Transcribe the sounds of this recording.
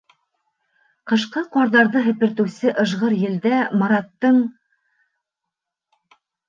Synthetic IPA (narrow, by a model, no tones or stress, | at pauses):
qɤ̆ʃqɤqɑɾðɑɾðɤɦɘ̆pɘ̆ɾt̪ɘ̆wsɘʔɤ̆ʒʁɤɾjɘ̆ld̪æmɑɾɑt̪ːɤɴ